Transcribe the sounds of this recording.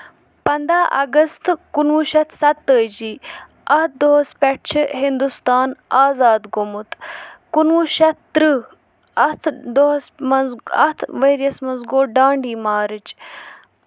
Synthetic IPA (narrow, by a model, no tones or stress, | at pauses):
pɐnd̪aːʔɐ̰ɡɐst̪kunʋuʃɐt̪ʰsɐt̪ːəːd͡ʒiː | ɐt̪̚d̪oɦɐspɐʈt͡ʃʰɦind̪ust̪aːnaːzaːd̪ɡomut̪kunʋuʃɐt̪t̪ɾɨ | ɐt̪ʰd̪osmɐɐ̰t̪ʰʋeːɾijɐsmɐnzɡoːɖaːɳɖiːmaːɾɨt͡ʃ